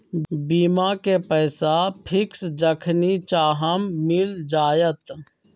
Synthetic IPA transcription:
biːmakepəːsapʰɪksd͡ʒəkʰnit͡ʃaːɦəmːɪld͡ʒaːjət̪

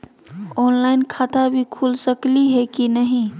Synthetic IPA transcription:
onlajnkʰat̪abʱikʰulsəkliɦekinəɦĩ

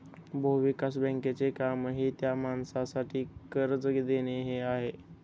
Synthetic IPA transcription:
boʋikas̬bə̃ŋket͡sekamɦit̪jamansasaʈʰiːkəɾət͡sɡd̪eneɦeaɦe

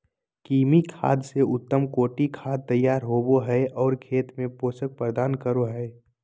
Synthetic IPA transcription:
kiːmikʰa̰ːd̪seʊt̪ːəmkoːʈikʰaːd̪̚t̪əjːaːɾɦoːboɦɛeʔɔːɾkʰeːt̪mẽpoːsək̚pɾəd̪aːnkəɾoɦɛe

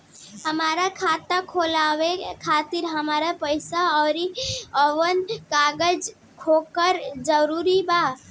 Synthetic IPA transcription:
həmaːɾakʰaːt̪akʰoːlaːʋekʰaːt̪iɾɦəmaːɾapəɪsaɔːɾiəʋənkaːɡəd͡ʒ | kʰoːkəɾd͡ʒəɾuːɾiba

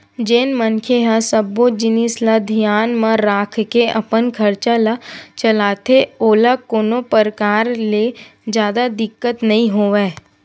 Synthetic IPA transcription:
d͡ʒeːnmənkʰeɦasəboːd͡ʒɪnislad̪ʱijaːnmə̃ɾaːkʰkeʔɐpənkʰɐɾt͡ʃalat͡ʃɐlaːt̪eoːlakoːnopəɾəkaːɾled͡ʒjaːd̪ad̪ɪkːət̪nɐɦĩɦoːʋeː

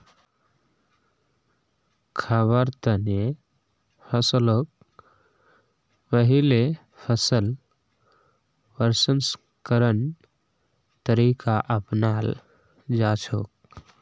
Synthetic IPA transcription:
kʰəbəɾt̪əne | pʰəslok̚ | pəɦile | pʰəsəl | ʋəɾsəns | kəɾən | t̪əɾiːkaʔəpnaːl | d͡ʒaːt͡ʃʰoːk̚

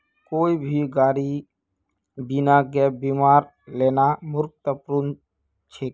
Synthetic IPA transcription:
koːibʱiɡaːɾi | binaɡɛːbimaːɾ | leːnamʊɾk̚t̪əpɾun | t͡ʃʰeː

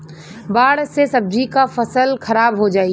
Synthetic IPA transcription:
baːɽsesɐb̚d͡ʒʱikafɐsəlkʰɐɾaːbɦod͡ʒaːi

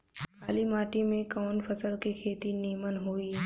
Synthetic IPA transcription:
aːlimaːʈimẽkɔːnpʰəsəlkekʰeːt̪iniːmənɦoːiː

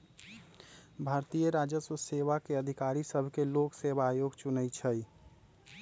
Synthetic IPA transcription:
bʱaɾt̪ijəɾad͡ʒəsəseʋakeəd̪ʱikaɾisəbʱkeloksebaːjoɡt͡ʃunət͡ʃʰəj

